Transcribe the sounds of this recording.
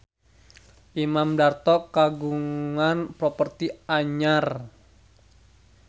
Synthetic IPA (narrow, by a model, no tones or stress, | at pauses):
ʔimamdart̪ɔkːaɡuŋanpɾɔpərt̪iaɲar